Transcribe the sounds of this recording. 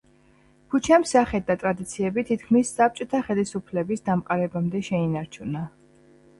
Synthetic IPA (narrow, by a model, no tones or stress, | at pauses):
kʰut͡ʃʰamsaχɛd̪at̪ʼɾad̪it̪sʰiɛbit̪ʰit̪̚kʰmisːap̚t͡ʃʼɔt̪ʰaχɛlisupʰlɛbisd̪amqʼaɾɛbamd̪ɛʃɛinaɾt͡ʃʰuna